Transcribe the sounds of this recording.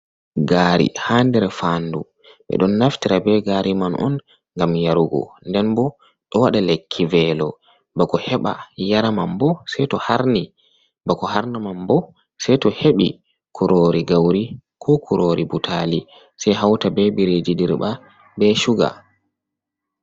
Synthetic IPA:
ɡaːɾḭhandɛɾɛfandṵ | ɓɛ̰ɗɔnːaftiɾabɛɡaːɾimanʔɔ̰n | ŋɡamjaɾuɡɔ̰ndɛnbɔ | ɗɔwaɗalekʰːivɛlɔ | bakɔhɛɓa̰jaɾamambɔsɛjtɔhaɾni | bakɔhaɾnamambɔ | sɛtɔheɓi | kʰuɾoɾiɡawɾikʰɔkʰuɾoɾibutʰali | sɛjɦawtabɛbiɾed͡ʒidiɾba | bɛʃuɡa̰

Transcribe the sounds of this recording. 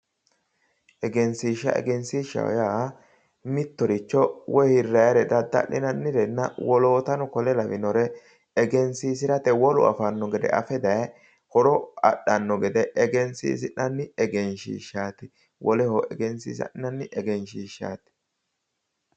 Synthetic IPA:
ʔɛɡɛnsiːʃːɐ̰ʔɛ̰ɡɛnsiːʃɐ̰wɔ̰ja | mɪt̪ːɔɾɪt͡ʃːɔwɔjhɪrːɐjɐɾɛd̪ɐd̪ːɐ̰lɪ̰nɐnːɪɾɛnːɐwɔlo̞ːt̪ɐnɔkɔlɛlɐvɪnɔɾɛ | ɛɡɛnsiːsɪɾɐt̪ɛwɔlʊ̰ɐ̰fɐnːɔɡɛd̪ɛ̰ʔɐ̰fɛd̪ɐj | hɔɾɔɐ̰ɗːɐnːɔɡɛd̪ɛʔɛɡɛnsḭːs̬ɪnɐnːɪɛɡɛnʃḭːʃːaːt̪ɪ̥ | wʔɔlɛhɔʔɛɡɛnsḭːsɐ̰ʔɪnɐnːɪʔɛɡɛnʃiːʃa̰ːt̪ɪ̥

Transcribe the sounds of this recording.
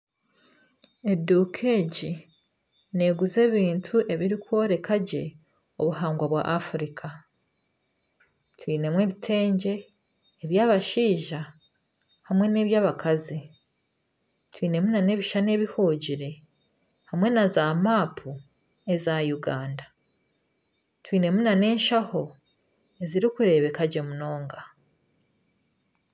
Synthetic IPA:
e̞dukʰeɟi | ne̞ɡuze̞ːβiːntʰuʔe̞βiɾikwo̞ːɾe̞kʰaɟe̞ | oβuhaːŋɡwaβwa̰ʔafuɾikʰa | twiːne̞mwe̞ːβitʰe̞ːɲɟe̞ː | βjaːβaʃiːʒa | hamwe̞ne̞ːβjaːβakʰazi | twiːne̞munane̞ːβiʃane̞ːβihuɟiɾe̞ | hamwe̞nazaːmaːpʰu | e̞zajuɡaːnda | twiːne̞munane̞ːnʃaho̞ | e̞ziɾikuɾe̞βe̞kaɟe̞muno̞ːŋɡa

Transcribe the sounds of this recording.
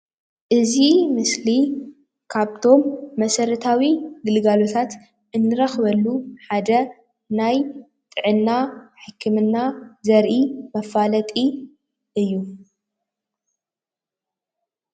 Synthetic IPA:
ʔɨzimɨsli | kʰaβt̪ʰo̞mːɐsɐɾɐt̪ʰawiɡɨlɡalo̞t̪ʰat̪ | ʔɨnːɨɾɐxbɐlːuħad̪ɐ | naj | t̪ʼɨʕɨnːaħɨkʰːɨmɨnːazɐɾʔimɐfalɐt̪ʼi | ʔɨjːu

